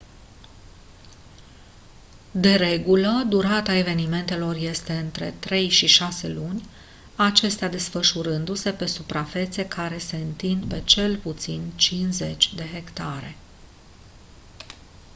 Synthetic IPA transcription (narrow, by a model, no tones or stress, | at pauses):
d̪e̞ɾe̞ɡuləd̪uɾat̪ae̞ve̞nime̞nt̪e̞lo̞rje̞st̪e̞ɨnt̪ɾe̞̰t̪ɾe̞jʃiʃase̞lunʲ | at͡ʃe̞st̪ead̪e̞sfəʃuɾɨnd̪use̞pe̞supɾafe̞t̪se̞kʰaɾe̞se̞ɨnt̪ind̪pe̞t͡ʃe̞lput̪sint͡ʃinze̞t͡ʃʲd̪e̞ɦe̞kt̪aɾe̞̰